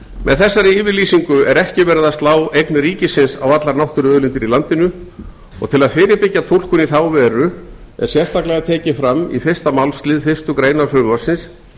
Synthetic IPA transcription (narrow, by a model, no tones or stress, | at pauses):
mʔɛðθɛsːaɾɪiːvɪɾliːsiŋkʏɛɾɛhcɪvɛːɾɪðast̪laːwejknɾiːcɪsɪnsa̰wat̪laɾnawht̪ʏɾʏœːðlɪnt̪ɪɾilant̪ɪnʏ | ɔ̰ɣt̪ʰɪlaðfɪːɾɪpɪcːat̪ʰowl̥kʏniθaːwvɛːɾʏɛ̰ɾ̥sjɛr̥st̪ʰaklɛɣat̪ʰɛːcɪfɾamːifɪr̥st̪amawlst̪lɪːðfɪst̪ʏkɾeːjnaɾfʏɾmasɪns